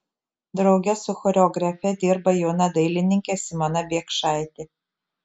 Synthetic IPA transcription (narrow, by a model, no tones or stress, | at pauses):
d̪ɾɐʊɡʲɛsʊxɔɾʲɛɔːɡɾɐfʲɛd̪ʲɪɾbɐjoːnɐd̪ɐɪlʲɪnʲɪŋʲkʲɛsɪmɐnɐbʲiɛkʃɑˑɪt̪ʲɪ